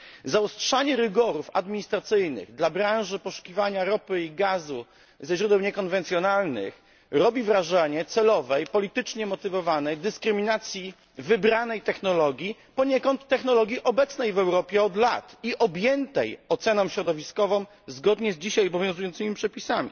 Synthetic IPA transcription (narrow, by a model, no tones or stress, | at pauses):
zaɔstʂaɲɛɾɘɡɔɾufa̰d̪mʲiɲist̪ɾat̪sɘjnɘ̰ɣd̪labɾãw̃ʐɘpɔʂu̥kʲivaɲaɾɔpɘiɡazu | zɛɕɾud̪ɛwɲɛkɔnvɛnt̪sʲjɔnalnɘ̰x | ɾɔbʲivɾaʐɛɲɛt̪sɛlɔvɛjpɔlʲit̪ɘt͡ʂɲɛmɔt̪ɘvɔvanɛjd̪ɘskɾɘmʲinat̪sʲji | vɘbɾanɛjt̪ɛxnɔlɔɡʲji | pɔɲɛkɔnt̪ːɛxnɔlɔɡʲiʔɔbɛt̪snɛjvɛwɾɔpʲjɛɔd̪la̰t̪iʔɔbʲjɛnt̪ɛjɔt̪sɛnɔm̃ɕɾɔd̪ɔvʲiskɔvɔ̃m | zɡɔd̪ɲɛzd͡ʑiɕajɔbɔvjɔ̃zujɔnt̪ɘmʲipʂɛpʲisamʲḭ